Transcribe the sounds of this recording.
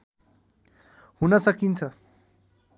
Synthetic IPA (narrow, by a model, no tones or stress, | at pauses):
hunʌsʌkint͡sʰʌ